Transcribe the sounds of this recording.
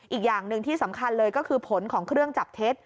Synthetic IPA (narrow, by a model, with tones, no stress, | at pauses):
ʔiː˨˩k̚jaː˨˩ŋnɯ˨˧ŋt̪ʰiː˥˩sa˩˦mkʰa˧nlɤː˧jkɔː˥˩kʰɯː˧pʰo˩˦nkʰɔː˩˦ŋkʰɾɯ˥˩əŋt͡ɕa˨˩p̚t̪ʰe˦˥t̪̚